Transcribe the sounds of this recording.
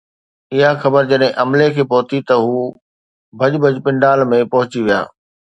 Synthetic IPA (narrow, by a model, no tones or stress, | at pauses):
ɪɦaxɐbəɾd͡ʑɐɗɦɪ̃ʔɐmlekʰeːpɐɦʊt̪it̪ɐɦuː | bʱɐd͡ʑbʱɐd͡ʑpɪ̃ɳɖaːlmẽpɐɦʊt͡ɕiʋija̰ː